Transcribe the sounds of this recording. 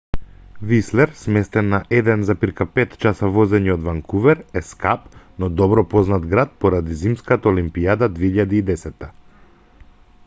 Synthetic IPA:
vislɛɾsmɛst̪ɛnːaʔɛd̪ɛnzapiɾkapɛt̪t͡ʃasavɔzɛɲiɔd̪vaŋkuvɛɾɛskapnɔd̪ɔbɾɔpɔznat̪ɡɾat̪̚pɔɾad̪izimskat̪aɔlimpiad̪ad̪vɛiʎad̪iːd̪ɛsɛt̪ːa

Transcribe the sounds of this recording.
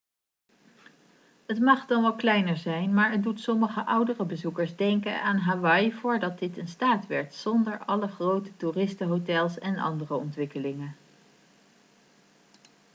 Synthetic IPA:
ətmɑχdɑnʋɑlklɛjnəɹzɛjnmaːɹət̚dutsɔməχəʔʌwdərəbəzukəɹzdɛŋkə̰aːnɦaːʋɑjvʊːɹdɑt̚dɪtənstaːtʋɛɹtsɔndəɹʔɑləχrowtə̥turɪstəɦotɛlˠsɛnɑ̰ndərəɔntʋɪkəlɪŋən

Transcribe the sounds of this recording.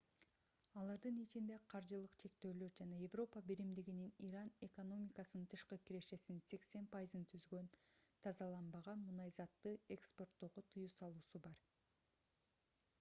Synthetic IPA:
ɑlˠɑɾd̪ɯnit͡ʃind̪e̞qʰɑɾd͡ʒɯlˠɯqt͡ʃʰe̞k̚t̪ø̞ːlø̞ɾd͡ʒɑnɑje̞vro̞pəbiɾimd̪iɡininiɾɑne̞ko̞no̞mʲikɑsɯnɯnt̪ʰɯʃqɯkʲiɾe̞ʃe̞sinse̞kse̞npajizɯnt̪ʰyzɡø̞nt̪ʰɑzɑlˠɑnbɑʁɑnmunɑzɑt̪ːɯekspo̞rt̪ːo̞ːʁot̪ʰɯjuːsɑlˠuːsubɑɾ

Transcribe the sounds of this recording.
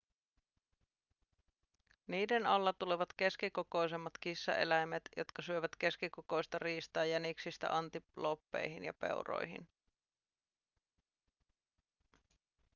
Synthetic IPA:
niːde̞nɑlːɑt̪uleʋɑt̪k̟e̞skikoko̞jse̞mːɑt̪kisːɑ̰ʔe̞̰læjmet̪jo̞̰t̪kɑsyø̞ʋæt̪ke̞skikoko̞jst̪ɑriːst̪ɑːjæniksist̪æ̰ʔɑnt̪ilopːe̞̰jɦinjɑ̰pe̞̰wro̞̰jɦḭn

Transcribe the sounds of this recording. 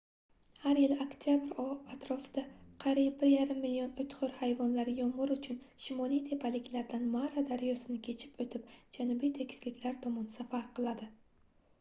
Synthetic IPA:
haɾjɪlokt̪ʰjabɪɾɒat̪ɾɒfɪd̪̥aqʰɑɾijp̚bɪɾjaɾɪmːɪlijɒnʊt̪ʰχʊɾhajvɒnlaɾɪjɒmʁɨɾʊt͡ʃʰʊn | ʃɪmɒlˠijt̪ʰe̞pʰalɪkʲʰlaɾd̪anmaɾad̪aɾjɒsɪnɪkʲʰe̞t͡ʃʰɪ̥pot̪ʰɪp̚d͡ʒanʊbijt̪ʰe̞kʲʰɪ̥slɪkʲlaɾt̪ʰɒmɒnsafaɾqʰɨlˠad̪ɪ

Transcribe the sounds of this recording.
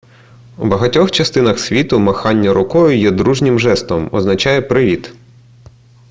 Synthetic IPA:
ubɐɦɐtʲɔxt͡ʃɐst̪ɪnɐxsʲʋʲit̪ʊmɐxɑnʲːɐɾʊkɔjʊjɛd̪ɾuʒnʲɪmʒɛst̪ɔmɔ̰znɐt͡ʃɑjɛpɾɪʋʲit̪

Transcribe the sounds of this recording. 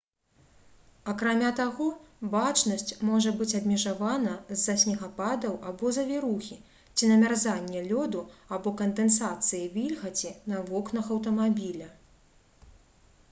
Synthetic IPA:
ɐkɾamʲat̪aɣɔbat͡ʂnɐsʲt͡sʲmɔʐɐbɨt͡sʲɐbʲmʲɛʐavanɐzːɐsʲnʲiɣapad̪ɐwʔabɔzɐvʲiɾuxʲi | t͡sʲinɐmʲarzanʲːɛlʲɔd̪uabɔkɐnd̪ɛnsat̪sɨjivʲilʲɣɐt͡sʲinɐvɔknɐxɐwt̪̬ɐmabʲilʲɐ

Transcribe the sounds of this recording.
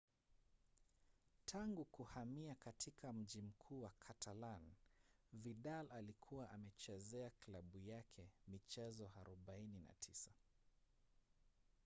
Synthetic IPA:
tʰaŋɡukuhamiakatʰikʰam̩ʄim̩kʰuːwakʰatʰalan | viɗalalikʰuwaʔamɛt͡ʃɛzɛaklaɓujakʰɛmit͡ʃɛzɔaɾuɓainina̰tʰisa

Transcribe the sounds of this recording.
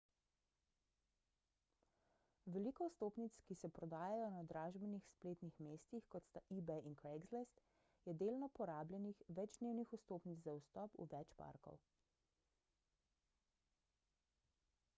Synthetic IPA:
ʋɛliːkɔust̪oːpnit̪skisɛpɾɔd̪aːjajɔnad̪ɾaːʒbɛnixspleːt̪nixmeːst̪ixkɔt̪st̪aʔiːbɛinkɾɛɡzlɛst̪ | jɛd̪eːlnɔpɔɾaːbljɛnixʋɛd͡ʒd̪neːwnixust̪oːpnit͡s̪zaust̪ɔpṵʋɛt͡ʃpa̰ɾkɔ̰w

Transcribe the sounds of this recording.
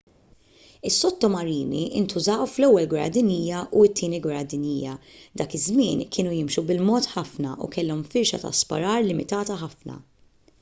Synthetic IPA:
ɪsːɔt̪ːɔmɐɾiːnḭʔɪ̰nt̪ʊzɐːwflɛwːɛlɡwɐɾɐ̰d̪ɪniːjɐʔuɪt̪ːiːniɡwɐɾɐd̪ɪniːjɐ̰d̪ɐːkɪzmɪːnkʰɪːnujɪmʃubɪlmɔːt̪ħɐfnɐ̰ʔṵkɛlːɔmfɪɾʃɐ̰t̪ɐ̰spɐ̰ɾɐːɾlɪmɪt̪ɐːt̪ɐħɐfnɐ̰

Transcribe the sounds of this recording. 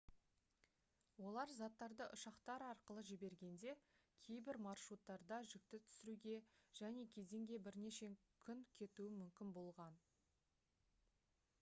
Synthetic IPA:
wo̞lˠɑɾzɑt̪ːɑɾd̪əʔʊʃɑqt̪ɑɾɑɾqəlˠəʒɪbe̞ɾɡʲe̞nd̪e̞kʲʰe̞jbɪɾmɑrʃut̪ːɑɾd̪ɑʒɪk̚t̪ɪt̪ʰʏ̥sɪɾuɡʲe̞ʒ̥æne̞kʲʰe̞ze̞ŋɡʲe̞bɪɾne̞ʃe̞ | kʲʰʏŋkʲʰe̞t̪uɪmʏmkʲɪnbo̞lˠʁɑn

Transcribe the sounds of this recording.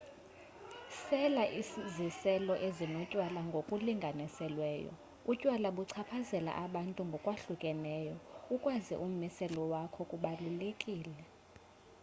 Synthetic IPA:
sɛlaʔizisɛlɔʔezinocʼwalaŋɡʱokʼuliŋɡʱanisɛlwɛːjɔ̰ | ucʼwalaɓuǀʰapʰazɛla̰ʔaɓantʼuŋɡʱɔkʼwaɬukʼɛnɛːjɔukʼwazḭʔum̩misɛlɔwakʰɔkʼuɓalulekʼiːlɛ

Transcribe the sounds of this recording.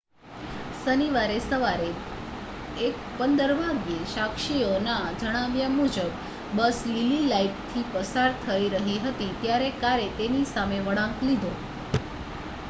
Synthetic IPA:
səniʋaɾesəʋaɾe | ek̚ | pənd̪əɾbʱaɡjeʃakʃionad͡ʒəɽ̃aʋjamud͡ʒəbː | əslililaipt̪ʰipəsaɾt̪ʰəiɾəɦiɦət̪it̪jaɾekaɾet̪enisameʋəɭãklid̪ʱo

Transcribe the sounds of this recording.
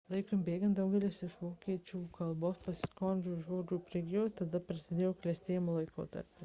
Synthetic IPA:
lˠɐɪkombʲeːɡʲɐnt̪d̪ɐʊɡʲɛlʲesɪʃʋoːkʲiɛt͡ʃʲuːkɐlˠboːspɐsʲskonʲd͡ʒʲuʒoːd͡ʒʲuːpʲɾʲɛɡʲioːt̪ɐd̪ɐpʲɾʲɪsʲɪd̪ʲeːjoːklʲɛsʲt̪ʲeːjɪmoːlˠɐɪko̰ːt̪ɐ̰ɾʲpʲɪ

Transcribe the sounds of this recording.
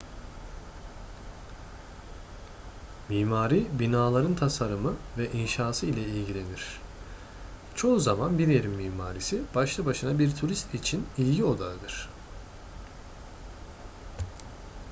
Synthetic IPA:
miːmaːɾibinaːlˠaɾɯnt̪ʰasaɾɯmɯvɛʔinʃaːsɯilʲɛilʲɟilʲe̞niɾ̥ | t͡ʃʰo̞zamanbiɾeɾimːiːmaːɾisib̥aʃlˠabaʃɯnabiɾt̪ʰuɾist̪it͡ʃʰinilʲɟio̞d̪aɯd̪ɯɾ̥

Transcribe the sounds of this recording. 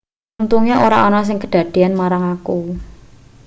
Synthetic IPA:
unt̪uŋeoɾa̰ɔnɔs̬ɪŋkəɖ̪̥a̤d̪̥e̤anmaɾaŋaku

